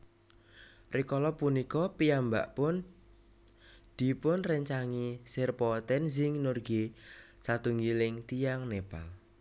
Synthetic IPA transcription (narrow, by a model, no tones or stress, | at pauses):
rikɔlɔpunikɔpijamba̰ʔpʊn | d̪̥i̤pʊnrəɲt͡ʃaŋisɪrpɔt̪ɛnzɪŋnʊrɡesat̪uŋɡilɪŋt̪ijaŋnepa̰l